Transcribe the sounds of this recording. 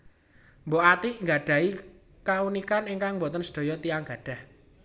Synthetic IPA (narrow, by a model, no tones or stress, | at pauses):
mbɔʔat̪iʔŋɡaɖ̥ä̤i | kaunikaniŋkaŋmbɔt̪ənsə̥d̥o̤jɔt̪iaŋɡ̥ä̤ɖ̥a̤h